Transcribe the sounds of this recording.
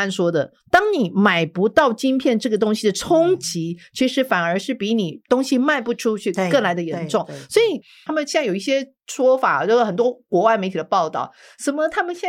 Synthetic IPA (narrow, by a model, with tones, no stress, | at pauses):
nʂwɔ˥d̪ə̰˨ | t̪ɑ˥ŋni˨˩ma˨˩ɪpu˧˥t̪ɑ˥˩ʊt͡ɕi˥npʰjɛ˥˧nʈ͡ʂɤ˥˩ɡə˩t̪ʊ˥ŋɕi˨˩d̪ə˩ʈ͡ʂʰʊ˥ŋt͡ɕi˧˥t͡ɕʰi˧˥ʂɻ̩˧˥fa˨˩nə˞˧˥ʂɻ̩˥˩pi˧˥ni˨˩t̪ʊ˥ŋɕi˧ma˥˧ɪpu˥˩ʈ͡ʂʰu˥t͡ɕʰy˥˧kə˥˩nla˧˥ɪd̪ə˧jɛ˧nʈ͡ʂʊ˥˩ŋswɔ˧˥i˨˩a˥mə˨nɕjɛ˥˧n˥˩jo˨˩i˥˩ɕjɛ˥ | ʂwɔ˥fa̰˨˩˧jo˥˧˩xə˨˩nt̪wɔ˥kwɔ˧˥wa˥˩ɪme˧˥ɪt̪ʰd̪ə˧pɑ˥˧ʊt̪ɑ̰˥˩ʊ | ʂə˨˥mə˧t̪ʰa˥mə˨nɕjɛ˥˧